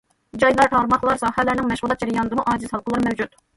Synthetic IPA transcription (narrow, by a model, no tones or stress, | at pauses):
d͡ʒɑjlˠɑɾʈ̪ʰɑɾmɑχlˠɑɾsɑːhɛlæɾnɪŋmɛʃʁulˠɑt̪̚d͡ʒɛɾɛjɑnɨd̪ɨmuʔɑːd͡ʒ̪ɪzhɑlˠqʰəlˠɨɾmɛwd͡ʒut̪